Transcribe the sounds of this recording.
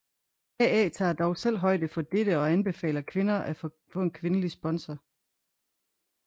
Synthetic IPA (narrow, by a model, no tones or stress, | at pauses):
æɛːt͡sʰɑ̰̈ːd̥ɒʊsel̰ɦɒ̽ɪd̥əfɒ̽d̥eɾ̥əɒ̽ænb̥e̝fɛ̰ːlɐkʰʋe̝nɐʔæf | fɔ̽nkʰʋe̝nəlisb̥ɒ̽nsɐ